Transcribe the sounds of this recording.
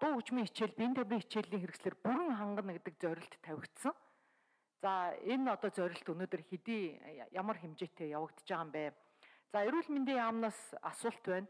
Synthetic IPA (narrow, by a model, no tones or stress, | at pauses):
t̪ʊːut͡ɕmiːŋet͡ɕeːɮpint̪ʰæwʲriːŋet͡ɕeːɮiːŋxeɾɘ̆ksɮeːrpuɾɘ̆ŋχaɴɢə̆nɡet̪ɘ̆k̚t͡sœɾʲɪ̆ɬt̪ʰːæwʲɪ̆kt̪sə̆ŋ | t͡saenɔt̪ɔːt͡sœɾʲɪ̆ɬt̪ɵnoːt̪ɵ̆rxet̪iːjamə̆rxemt͡ɕeːt̪ʰeːjawə̆kt̪t͡ɕaːʁaːmpæː | t͡saeɾuːɮment̪eːaːmnaːsasʊːɬt̪pæːn